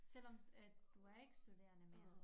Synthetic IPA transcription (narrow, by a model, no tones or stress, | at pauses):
sel̰ɒ̽md̥uæɐe̝ɡ̥ə̥sd̥ud̥e̝̰ːɐnəmeːɐ